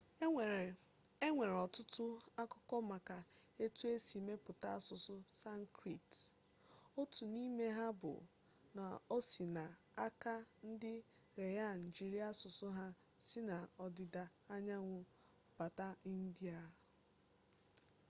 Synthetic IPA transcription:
e˦ŋʷe˨ɾɔ˨tʊ˦tʊ˦a˦kɔ˦kɔ˦ma˨ka˨e˦tu˦e˦si˨me˦pʊ˨ta˦a˦sʊ˨sʊ˦sa˦ŋ̩˦kɾi˨t | o˦tu˨ni˦me˦ɦa˦bʊ̰˨ | na̰˨o˦si˨na˨a˦ka˦n̩˦dɪ˦ | ɾe˨ja˦˨n̩˨d͡ʒi˦ɾi˦a˦sʊ˨sʊ˦ɦa˦ | sɪ˦na˨ɔ˨dɪ˨da˨ | a˦ɲa˦ŋʷʊ˨ | b̥a˨ta˦i˦n̩˦di˦a˨

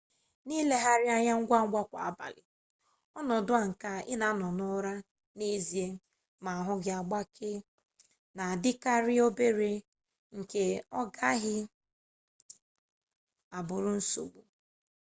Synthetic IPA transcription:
niː˦le˦ɦa˨ɾɪ˦a˦ɲa˦ŋ̩˦ɡʷa˦ŋ̩˦ɡʷa˦kʷa̰˨a˦ba̰˨lɪ̰˨ | ɔ˦nɔ˨dʊ˦a˨ŋ̩˨ka˦ɪ˦na˨˦nɔ˨nʊ˦ɾa˦ | ne˦zi˨e˦ | ma˨a˨ɦʊ˦ɣa˨ɡ͡ba˦kʰɪ˦ | na˨dɪ˦ka˦ɾɪ˦o˦be˦ɾe˦ | ŋ̩˨ke˨ɔ˦ɡa˦ɣɪ˦ | a˨bʊ˨ɾʊ˦n̩˦so̰˨ɡ͡bu˨

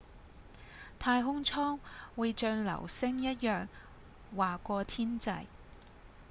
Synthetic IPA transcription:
t̪ʰaː˧jɦʊ˥ŋt͡sʰɔː˥ŋwuː˨˧jt͡ʃœː˧ŋlɐ̰˨˩wsɪ˥ŋjɐ˥t̚jœː˨ŋ | waː˨˩kʷɔː˧t̪ʰiː˥nt͡sɐ̰˧j

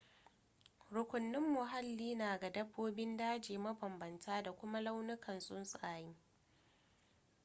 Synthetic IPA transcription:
ɽʊ˨kʷʊ˨nːɪ˦mːʊ˨ɦa˦lːiː˦naː˨ɡa˨dɐ˦bːoː˦bɪ˦ndaː˦d͡ʒeː˨mɐ˦bɐ˨mbɐ˨ntʰaː˦da˨kʷʊ˦ma˦la˦wnʊ˦kɐ˨nsʼʊ˦nsʼaː˨jɪ˦ŋ

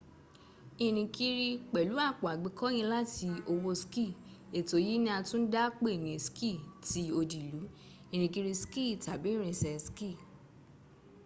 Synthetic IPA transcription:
i˧˨nĩ˧ki˧ɾi˧k͡pɛ˨lu˨˦a˦˨k͡pɔ˨a˨ɡ͡bi˨˧˦kʰɔ˦j̃ĩ˧la˦ti˧o˧wo˧ski˦˨e˨to˨ji˦nĩ˦a˧tũ˦n̩˦da˦k͡pe˦e˦˨nĩ˨ski˦˨ti˨˦o˧di˨lu˨˦ | i˧˨ñĩ˧ki˧ɾi˧ski˦˨ta˨bĩ˨˦ɾ̃ĩ˨sɛ˧ski˦˨

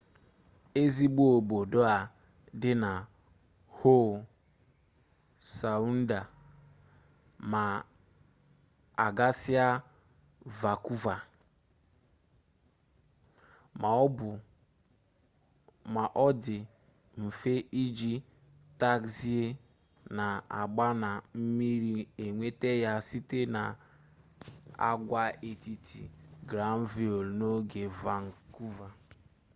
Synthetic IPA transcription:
e˦zi˦ɡ͡bu˦o˨bo˨do˦a˨ | dɪ˦na˨ | ho˦˨ | sa˨u˦n̩˦da˨ | ma˨ | a˨ɡa˦sɪ˦a˦ | va˨ku˦va˨˦˨ | ma˨ʔɔ˦dɪ˨ | m̩˨fe˦ʔi˦d͡ʒi˦ | ta˦ksi˦e˦ | na˨a˨ɡ͡ba˦na˨m̩˦mi˦ɾi˦e˨ŋʷe˦te˦ja˦si˦te˦na˨ | a̰˨ɡʷa˦e˨ti˨tʰi˨ɡɾa˨˦m̩˦vi˦o˨lno˦ɡe˨va˨ŋ̩˨ku˦va˨

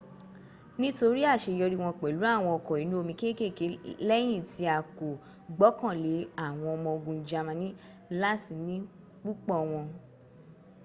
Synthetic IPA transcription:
nĩ˦to˧ɾi˦a˦˨ʃe˧jɔ˧ɾi˦w̃ɔ̃˧k͡pɛ˨lu˨˦a˦˨w̃ɔ̃˧ɔ˧kɔ˨i˨˦nũ˦o˧mĩ˧ke˦ke˦˨ke˨˦lɛ˦j̃ĩ˦˨ti˧˦a˨ko˨ | ɡ͡bɔ˨˦kã˦˨le˨˦a˦˨w̃ɔ̃˧ɔ˧mɔ̃˧o˧ɡũ˧˦d͡ʒa˧mã˧nĩ˦ | la˦ti˧˨nĩ˦ | k͡pu˦k͡pɔ˦˨w̃ɔ̃˧

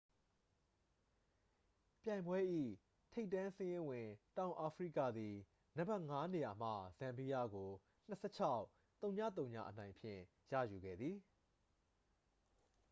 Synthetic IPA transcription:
pjã˨ɪ̃mbwɛ˦ʔḭ˦˨ | tʰe˦ɪtːã˦sɪ̃˦jɪ̃˦wɪ̃˨tã˨ʊ̃ʔa˨pʰɹḭ˦˨kä̰˦˨d̪i˨ | nə˦˨ba˦ʔŋa˦ne˨ja˨m̥ä̰˦˨z̥ã˨mpi˦ja˦˨ɡo˨ | n̥ə˨sʰɛ̰˦˨t͡ɕʰa˦ʊ | t̪õ˨ʊ̃ɲä̰˦˨t̪̬õ˨ʊ̃ɲa̰˦˨ʔənã˨ɪ̃mpʰjɪ̰̃˦˨ | jä̰˦˨ju˨ɡɛ̰˦˨d̪ði˨

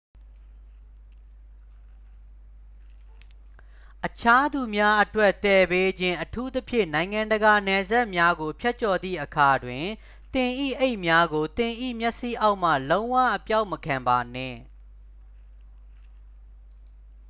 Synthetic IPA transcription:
ʔət͡ɕʰa˦d̪u˨mja˦ʔətwɛ˦ʔt̪ɛ˨be˦d͡ʑɪ̃˦ʔətʰu˦t̪əpʰjɪ̰̃˦˨nã˨ɪ̃ŋã˨ndəɡa˨nɛ˨za˦ʔmja˦ɡo˨pʰjɛ˦ʔ̚t͡ɕɔ˨d̪ðḭ˦˨ʔəkʰa˨dwɪ̃˨ | t̪ɪ̃˨ʔḭ˦˨ʔe˦ɪʔmja˦ɡo˨t̪ɪ̃˨ʔḭ˦˨mjɛ˦ʔsḭ˦˨ʔa˦ʊʔm̥ä̰˦˨lõ˦ʊ̃wä̰˦˨ʔəpja˦ʊʔməkʰã˨mba˨nɛ̰̃˦˨

